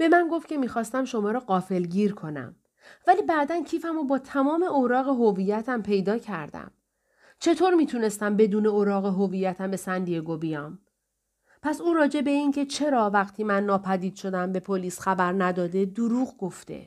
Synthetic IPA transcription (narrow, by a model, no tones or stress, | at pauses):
b̥e̞mænɡo̞ft̪cʰe̞miːxɒːst̪æmʃo̞mɒːɾɒːɢɒːfe̞lɟiːɾkʰo̞næ̰m | væliːbæʔd̪æncʰiːfæmobɒːt̪ʰæmɒːme̞ʔoːɾɒːɣeɦovijæt̪ʰæmpʰe̞jd̪ɒːcʰæɾd̪æ̰m | t͡ʃʰe̞t̪ʰoːɾmiːt̪ʰune̞st̪æmbe̞d̪uːne̞oːɾɒːɣeɦovijːæt̪ʰæmbe̞sænd̪ijeɡobijɒːm | pʰæsuːɾɒːd͡ʒe̞be̞incʰe̞t͡ʃʰe̞ɾɒːvæχt̪ʰiːmænːɒːpʰæd̪iːd̪ʃo̞d̪æmbe̞pʰoliːsxæbæɾnæd̪ɒːd̪e̞d̪uɾuːɣɡo̞ft̪e̞̰